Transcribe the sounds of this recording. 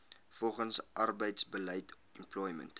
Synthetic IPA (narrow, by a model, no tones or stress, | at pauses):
fɔlˠχənsʔɐrbəjtsbəlɛjt | ɛmplɔjmə̰̃nt